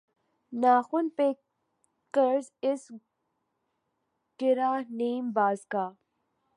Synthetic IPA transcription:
naːxʊnpeː | kəɾzɪs | ʈɪɾaːniːmbaːzkaː

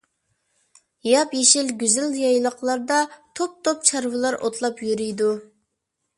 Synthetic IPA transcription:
jɑpjeʃɪlɡʲyzɪljɑjlˠəqlˠɑɾd̪ɑt̪ʰop̚t̪ʰop̚t͡ʃʰɑɾvɨlˠɑɾʔot̪ʰlˠɑpjyɾyjd̪u

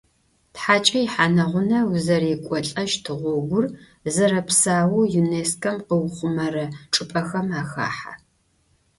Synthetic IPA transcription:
tħaːt͡ʃʼɐjɪħaːnɐʁʷʊnɐwʊzɐrikʷʼɔɬʼɐʃtʰɨʁʷɔɡʷʊr | zɐɾɐpsaːwujuneːskʰɐmqəwχʷʊmɐrɐʈ͡ʂʼɨpʼɐxɐmaːxa̰ːħa̰

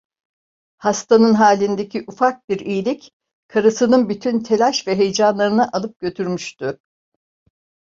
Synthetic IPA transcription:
hast̪anɯnɦaːlʲind̪e̞cʰiʔufak̚biɾijilʲic | kʰaɾɯsɯnɯnbyt̪ʰynt̪ʰe̞lʲaʃvɛɦejd͡ʒanlˠaɾɯnɯʔalˠɯp̚ɟ̥ø̞t̪ʰyɾmyʃt̪ʊ

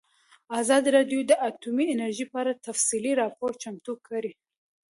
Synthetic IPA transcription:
azɑd̪iɾɑɖjod̪əʔat̪umienaɾʒipɑɾat̪afsiliɾɑpoɾt͡ʃamt̪ukʰaɾi

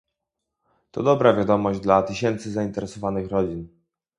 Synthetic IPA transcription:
t̪ɔ̰d̪ɔbɾavʲjad̪ɔmɔʑd͡ʑd̪lat̪ɘɕɛnt̪sɘzaint̪ɛɾɛsɔvanɘxɾɔd͡ʑin

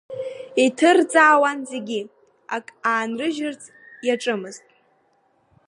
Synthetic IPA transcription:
itʰɨrt͡sʼaːwanzeɡʲi | akʼaːnrɨʒɪrt͡sʰʼ | jaʈ͡ʂʼɨmɨztʼ

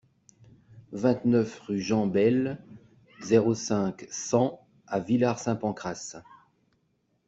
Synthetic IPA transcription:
vɛ̃t̪nœfʁyʒɑ̃bɛl | zeʁosɛ̃ksɑ̃ | avilaʁsɛ̃pɑ̃kχas

